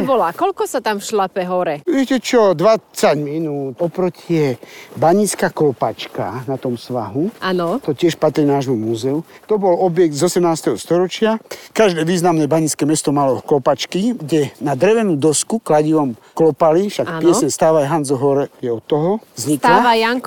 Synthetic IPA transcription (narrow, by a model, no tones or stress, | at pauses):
bɔlakɔlkɔsat̪amfʃlapɛɦɔɾɛʋɪɛcɛt͡ʃɔd̪ʋat͡saɟminuːt̪ɔpɾɔcʰɪɛbaɲit͡skaklɔpat͡ʃkanat̪ɔmsʋaɦuʔanɔt̪ɔcɪɛʃpat̪ɾinaːʒmumuzɛut̪ɔbɔlɔbjɛɡ̚d̪zɔsɛmnaːst̪ɛɦɔst̪ɔɾɔt͡ʃɪakaʒd̪ɛːʋiːznamnɛbaɲiskɛmɛst̪ɔmalɔɔklɔpat͡ʃkiɡɟɛnad̪ɾɛʋɛnud̪ɔskuklaɟiʋɔm | klɔpalifʃakːpɪɛsɲɛst̪aːʋajɦand͡zɔɦɔɾɛjɛɔt̪ːɔɦɔzɲiklaajaŋk